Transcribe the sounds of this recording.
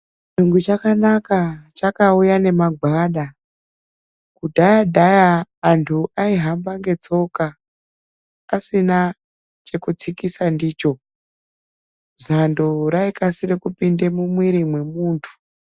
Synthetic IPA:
t͡ʃuŋɡut͡ʃakanakat͡ʃakaujane̞maɡʱwaːɗa | kudʱajadʱajaːntʰuʔaiɦambaŋɡe̞t͡so̞ka | sina | t͡ʃe̞kut͡sikisandiːt͡ʃo̞ | zandoɾaikasiɾekupinde̞mumwiɾimwe̞muːntʰu̥

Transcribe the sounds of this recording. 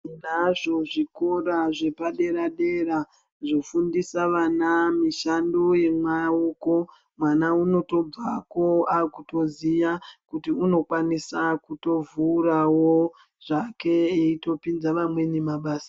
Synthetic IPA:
naʐo̞ʐiko̞ɾaʐe̞paɗe̞ɾaɗe̞ɾa | ʐofundisaʋanamiʃandoje̞mwauːko̞ | mwanauno̞to̞b͡vako̞akuto̞ziʋakutiuno̞kwanisakuto̞vuːɾawo | ʐake̞eito̞pind͡zaʋamwe̞nemaɓaːsḁ

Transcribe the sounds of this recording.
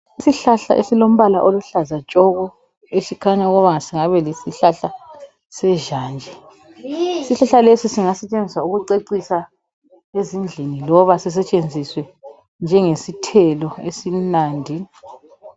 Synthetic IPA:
isiɬaɬa̰ʔesilom̩βalaʔoluɬazat͡ʃʼɔɣɔ | esikʰaɲauɣɔβaŋasiŋaβɛlesiɬaɬa | sɛʒaːnd͡ʒʱɛ | siɬaɬalesisiŋasɛt͡ʃʼend͡zʱiswauɣuǀeǀisa | ezind͡ɮʱenilɔβasis̬ɛt͡ʃʼend͡zʱiswɛ | nd͡ʒʱɛŋesitʰɛlɔesinaːndʱi

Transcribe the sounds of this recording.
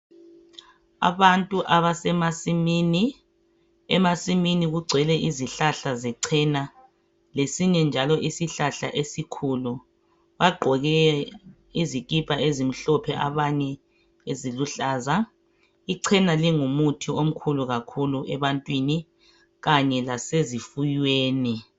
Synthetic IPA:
a̰βantʼuʔaβasɛmasimiːni | ɛmasiminiɣuɡ͡ǀʱɛlɛʔiziɬaɬazɛǀʰɛna | lesiɲɛnd͡ʒʱalɔʔisiɬaɬa̰ʔesikʰulu | βaɡ͡ǃʱɔɣɛ | izikipʰʼaezim̩ɬɔpʰɛʔa̰βaɲɛ | eziluɬaːza | iǀʰɛnaliŋumutʰiom̩kʰuluɣakʰuluɛβantʼwini | ɣaɲɛlasezifujweːni

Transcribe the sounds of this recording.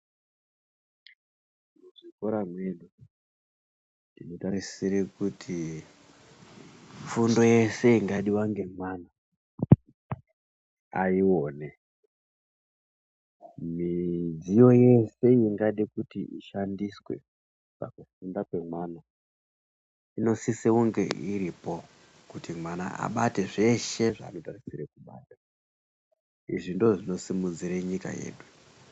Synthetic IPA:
muʐikoɾamweɗu | ntino̞tarisiɾekutʰi | fundo̞je̞se̞iŋɡaɗiwaŋɡe̞mwaːna | a̰iwoːne | mid͡zijo̞je̞se̞iŋɡaɗikutiʔiʃandiswe̞̰ | pa̰kufundake̞mwaːna | ino̞siseuŋɡe̞̰ʔiɾipo̞ | kutimwana̰ʔa̰ɓate̞ʐe̞ʃe̞ʐa̰ːno̞tarisiɾekuɓa̰ːtḁ | ḭʐindo̞ʐino̞simud͡ziɾeɲika̰je̞̰ːɗu

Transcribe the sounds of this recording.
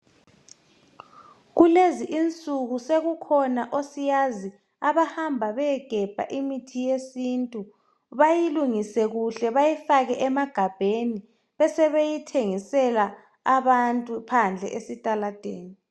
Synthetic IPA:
ɣuleziʔint͡sʼuɣuseɣukʰɔnaʔosijazi | aβahambʱaβɛɛɡ̥ʱɛb̥ʱa̰ʔimitʰijesintʼu | βajiluŋisɛɣuɬɛβajifaɣɛʔɛmaɡ̥ʱab̥ʱeni | βɛsɛβejitʰeŋisɛlaː | βantʼupʰand͡ɮʱɛ̰ʔesitʼalad̥ʱeːni

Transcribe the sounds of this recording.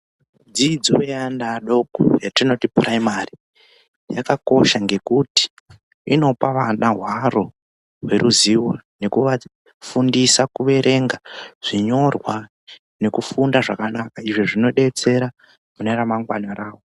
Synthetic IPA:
d͡zid͡zowejandaɗo̞kṵjatino̞tipraimari | ja̰kako̞ʃaŋɡe̞kuti̥ | ino̞paʋanaɦwaro̞ | we̞ɾʔuziwane̞kuʋa | fundisakuʋe̞ɾʔe̞ŋɡaʐ̥iɲo̞rwa | ne̞kufundaʐakanakaiʐiʐino̞ɗe̞t͡se̞ɾa | muneɾamaŋɡwanaraːwo

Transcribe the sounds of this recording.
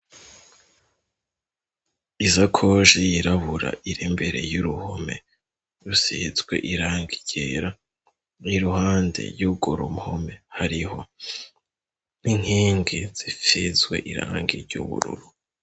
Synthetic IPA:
izakʰoʒijiɾaβuɾa̰ʔiɾimbe̞ɾe̞̰juɾuhome̞̰ | ɾusizɡwe̞̰ʔiɾaːŋɡiɟ̥eːɾa | niɾuɦaːnde̞̰ɾɟuɡoɾomhome̞haɾiho̞ | niŋ̥iːŋɡiz̥ifizɡwe̞̰ʔiɾa̰ːŋɡiɾɟṵβṵɾṵɾu

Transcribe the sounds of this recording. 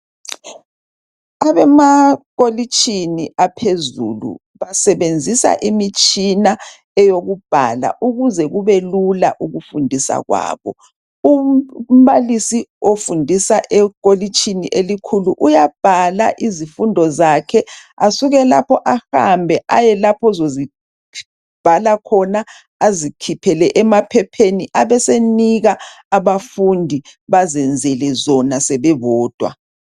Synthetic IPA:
aβɛmaɣolit͡ʃʼʰiniapʰezṵlṵ | βasɛβend͡zʱisa̰ʔimit͡ʃʼina | ɛjoɣub̥ʱa̰la̰ʔuɣuzɛɣuβelula̰ʔuɣufundʱisa̰ɣwa̰ːβɔ̰ | um̩βalisiofundʱisaʔɛkolit͡ʃʰʼinḭʔelikʰuluʔujab̥ʱala̰ʔizifundʱɔzakʰɛasuɣɛlapʰɔʔaha̰mbʱɛʔajɛlapʰɔzozi | b̥ʱalakʰɔna | azikʰipʰɛlɛʔɛmapʰɛpʰeniʔaβɛseniɣaː | βafundʱiβazɛnd͡zʱɛlɛzɔnasɛβɛβɔːd̥ʱwa̰

